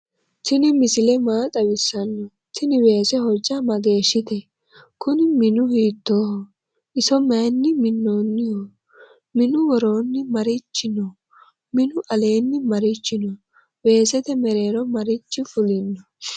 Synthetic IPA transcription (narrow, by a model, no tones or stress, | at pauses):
tɪnɪmɪsɪlɛmaːt͡sʼɐwɪsːɐnːɔ | t̪ɪnɪweːsɛhɔɾd͡ʒɐmɐɡe̞ːʃːɪt̪ɛ | kʊnɪmɪnʊhiːt̪ːoːhɔ | ʔɪsɔmeːnːɪmɪnːoːnːɪhɔ | mɪnʊwɔɾo̞ːnːɪmɐɾɪt͡ʃːɪnɔ | mɪnʊʔɐle̞ːnːɪmɐɾɪt͡ʃːɪnɔ | we̞ːsɛt̪ɛmɛɾe̞ːɾɔmɐɾɪt͡ʃːɪfʊlɪnːɔ